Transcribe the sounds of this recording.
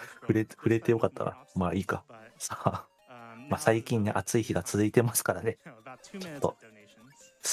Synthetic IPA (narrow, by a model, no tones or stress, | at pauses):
ɸɯ̟ɾeɸɯ̟ɾe̞t̪e̞jo̞kat̪ːa̰ɡa̰maːiːka̰sa | masaikʲĩɲ̟ːiʔat͡sɨiçiɡat͡sɨzɨit̪e̞masɨ̥kaɾane̞t͡ɕo̞̥t̪ːo̞̰ | s